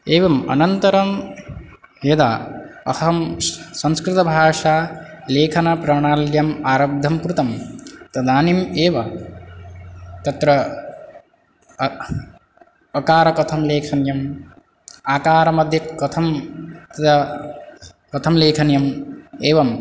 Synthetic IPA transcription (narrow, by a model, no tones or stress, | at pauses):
eːʋɐmɐ̰nɐnt̪ɐɾɐm | jɐd̪a̰ɐhɐmsɐ̃ŋskɾɪt̪ɐbʱaːʂaː | leːkʰɐnɐpɾɐɳaːljɐmaːɾɐb̚d̪ʱɐmkɾut̪ɐmt̪ɐd̪aːnimeːʋɐ | t̪ɐt̪ɾɐ | ɐkaːɾɐkɐt̪ʰɐmleːkʰɐnjɐm | aːkaːɾɐmɐd̪ʱjɐkːɐt̪ʰɐmt̪ɐd̪ɐ | kɐt̪ʰɐmleːkʰɐnjɐmeːʋɐm